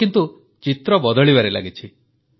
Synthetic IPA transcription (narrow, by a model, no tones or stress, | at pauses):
kint̪u | t͡ʃit̪ɾɔbɔd̪ɔɭiβaɾela̰ɡit͡ʃʰi